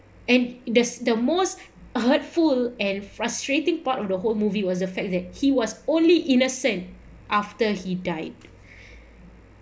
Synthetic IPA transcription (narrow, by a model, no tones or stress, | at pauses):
ɛ̃ndəsdəmos | hətfulɛ̃nfɹastɹetɪ̃ŋpatɔfdəɦolmuviwɔs̬dəfɛk̚dɛt̚hiwɔsõnliʔinəsə̃nt | ʔaftəhidaɪd̥